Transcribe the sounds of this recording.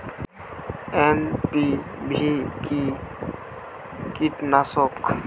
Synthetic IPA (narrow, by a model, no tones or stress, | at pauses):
enpibʱiki | kiʈnasɔk